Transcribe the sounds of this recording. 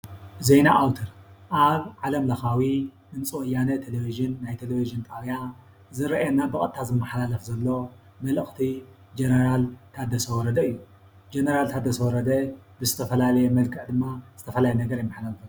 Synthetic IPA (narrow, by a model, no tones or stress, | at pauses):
zejnaʔawt̪ʰɐɾʔaβʕalɐmlɐxawinɨnt͡sʼwɔjːanɐt̪ʰeleviʒɨnːajt̪ʰeleviʒɨnt̪ʼawja | zɨɾɐʔɛnabɨkʼɐ̰t̪ʰːazɨmːɨħalalɐfzɐlːo̞ | mɐlɨxʼt̪ʰi | d͡ʒenɐɾalt̪ʰad̪ɐsɐwɔɾɐd̪ɐɨjːu | d͡ʒenɐɾalt̪ʰad̪ɐsɐwɔɾɐd̪ɐbɨzɨt̪ʰɐfɐlalɐjɛmɐlkʰɨʕd̪ɨmːaz̥ɨt̪ʰɐfɐlajɛnɐɡɐɾjɪmːɐħalalɐfuu